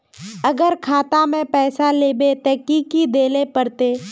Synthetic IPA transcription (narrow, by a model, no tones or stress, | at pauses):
əɡəɾkʰaːt̪amẽpɛːsaleːbet̪ɛːkiːkid̪eːlepəɾt̪eː